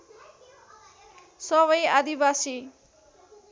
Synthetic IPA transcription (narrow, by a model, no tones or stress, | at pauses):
sʌβʌjad̪ibasi